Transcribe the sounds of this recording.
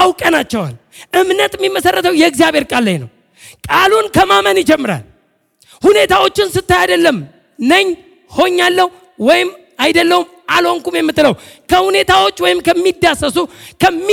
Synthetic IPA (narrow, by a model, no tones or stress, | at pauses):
awkʼənat͡ʃːɛwa̰l | ʔɨmnət̪ɪmːimːəsərːət̪ʰəwjɛɨɡzijaβe̞ɾkʼalːajnə̰w | kʼalunkʰəmamənɪd͡ʒɛmːɨɾa̰l | hune̞t̪ʰawo̞t͡ʃːɪnsɨt̪ːajad̪əlːəm | nəɲː | ho̞ɲːalːəhu | wɔjɪm | ajd̪əlːəhum | alho̞ŋkumjɛmːɨt̪ːɨləwkʰəhune̞t̪ʰawo̞t͡ʃːwɔjɪmkʰəmːid̪ːasəsukʰəmː